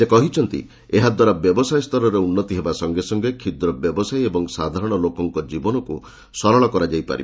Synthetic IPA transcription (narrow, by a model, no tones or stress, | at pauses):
sekɔɦit͡ʃʰɔnt̪ḭ | eɦad̪waɾabjɔbɔsajst̪ɔɾɔɾeunːɔt̪iɦebasɔŋɡesɔŋɡekʰid̪ɾɔbjɔbɔsajebɔŋsad̪ʱaɾɔɽ̃ɔlokɔŋkɔd͡ʒibɔnɔku | sɔɾɔɭ̃ɔkɔɾad͡ʒajpa̰ɾḭb